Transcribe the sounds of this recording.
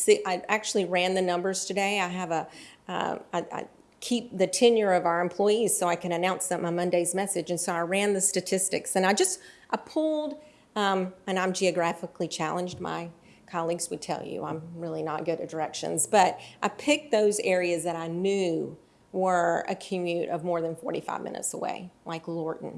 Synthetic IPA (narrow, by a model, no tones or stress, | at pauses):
siʔaɪæk̚t͡ʃʉl̩ˠiɹæ̃nðɨnʌ̃mbə˞z̥tʰɨdeɪaɪɨvəʌ̰aɪʔa̰ɪ | kʰip̚ðɨtʰɪ̃njə˞ʌvaʊə˞ɨ̃mpʰl̥ɔɪiz̥soʊaɪkʰɨ̃ñɨnãʊ̃nsðɨtmaɪmʌ̃ndeɪzmɛsɨd͡ʒɨ̃nsoʊaɪɹæ̃nðɨstɨtʰɪstɨksɨ̃ñaɪd͡ʒʌst̚ʔaɪpʰulˠd | ʌ̃mɨ̃nãɪ̃md͡ʒiɨɡɹæfəklit͡ʃʰælˠə̃nd͡ʒd̚ma̰ɪ | kʰɑlˠiɡzwɨd̚tʰɛ̰lˠjʉ̰ãɪ̃mɹɪlˠinət̚ɡ̥ʊɾɨdə˞ɛkʃɨ̰̃nzb̥ʌɾʔaɪpʰɪk̚ðoʊzɛɹiɨzðɨɾaɪnjʉ | wə˞ɨ̰kʰʉmjʉɾʌ̰vmɔɹðɨ̃nfɔ̰ɹɾḭfa̰ɪvmɪ̰̃nɨ̰tsəwḛɪlaɪklɔɹʔⁿn̩